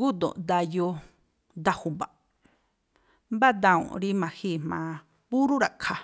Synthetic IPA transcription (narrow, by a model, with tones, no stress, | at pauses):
ɡu˦d̪õ̰˨d̪a˧jo˧ | d̪a˧hu˧ba˨ | mba˦d̪ã˧ṵ̃˨ɾi˦mã˧hi˦˨mmã̰˧ | pu˦ɾu˦ɾa˨kʰa˧